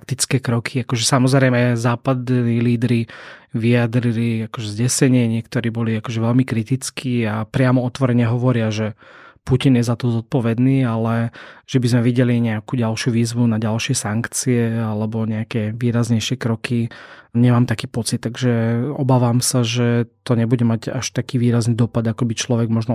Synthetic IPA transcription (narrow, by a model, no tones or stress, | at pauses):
k̚t̪it͡skɛːkɾɔkʰiakɔʒɛsamɔzɾɛɪmɛzaːpad̪niːliːd̪ɾiʋiad̪ɾiliakɔʒɛzɟɛsɛɲɪɛɲɪɛkt̪ɔɾiːbɔliakɔʒɛʋɛʎmikɾit̪it͡skʰiːapɾɪamɔɔt̪ʋɔɾɛɲɛɦɔʋɔɾɪaʒɛpucinjɛzat̪ɔzɔt̪̚pɔʋɛd̪niːalɛʒ̥ɛbizmɛʋiɟɛliɲɛakuːɟalʃjuʋiːzʋunaɟalʃɪɛsaŋkt͡siɛalɛbɔɲɛakɛʋiːɾazɲɛjʃɪɛkɾɔkʰiɲɛmaːmt̪akiːpɔt͡sit̪̚ːaɡʒɛɔbaːʋaːmsaʒɛt̪ɔɲɛbuɟɛmaɟa̰ʃt̪akiːʋiːɾazniːd̪ɔpad̪akɔbit͡ʃlɔʋɛɡmɔʒnɔ